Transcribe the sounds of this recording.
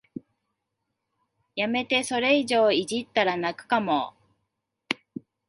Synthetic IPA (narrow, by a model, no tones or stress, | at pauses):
jame̞t̪e̞so̞ɾe̞iʑo̞ːiʑit̪ːaɾanakɯ̟̥kamo